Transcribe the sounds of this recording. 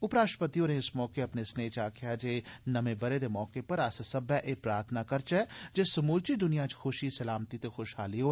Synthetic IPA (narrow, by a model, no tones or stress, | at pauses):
ʊpɾaːʃpət̪iõɾɦẽɪsmɔːkeɐpnesneːt͡ʃaːkʰjad͡ʒeːnɐmẽbɐɾed̪emɔːkepɐɾɐssɐbaʔeːpɾaːɾt̪ʰənakɐɾt͡ʃɛːd͡ʒesɐmuːlt͡ʃid̪ʊnijãt͡ʃxʊʃisɐlaːmt̪it̪exoːʃɦaːliɦoː